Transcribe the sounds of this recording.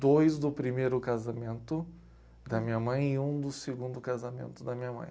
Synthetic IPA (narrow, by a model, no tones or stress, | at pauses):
d̪ojzd̪ʊpɾimejɾʊkazamẽnt̪ʊ | d̪ɐmĩɲɐmɐ̃j̃ɪũd̪ʊseɡũnd̪ʊkazamḛ̃nt̪ʊd̪ɐmĩɲɐmɐ̰̃j̃